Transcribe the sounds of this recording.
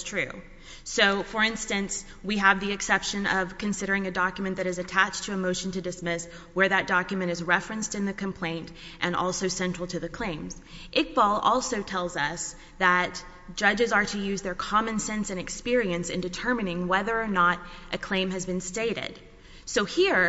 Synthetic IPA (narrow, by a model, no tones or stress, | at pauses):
tʰɹ̥ʉ̰ | soʊfə˞ɪ̃nstɨ̃ns | wiəvðiɨksɛpʃɨ̃nʌv̥kʰɨ̃nsɪɾə˞ɪ̃ŋɨdɑkjmɨ̃nðɨɾɨzɨtʰæt͡ʃtʰɨːmoʊʃn̩tʰɨdɨsmɪs | wə˞ðɨt̚d̥ɑkjɨmɨ̃ɾ̃ɨzɹɛfɹɨ̃nstɨ̃nðɨkɨ̃m̩pʰl̥ẽɪ̃ntʔɨ̃nɔ̰lˠsoʊsɛ̃nt͡ʃɹ̥l̩ˠtʰɨðɨkʰl̥ẽɪ̃mz̥ | ʔɪk̚b̥ɔlˠɔlˠsoʊtʰɛlˠzʌs | ðɨt | d̥ʒ̥ʌd͡ʒɨzə˞ɾɨjʉzðə˞kʰɑmɨ̃nsɛ̃nsɨ̃nɨkspɪɹiɨ̃nsɨ̰̃ndɨtʰɜ˞mɨnɪ̃ŋwɛðə˞ːnəɾʔɨkʰl̥ẽɪ̃mɨzbɨ̃nsteɪɾɪ̰d̥ | soʊhiɹ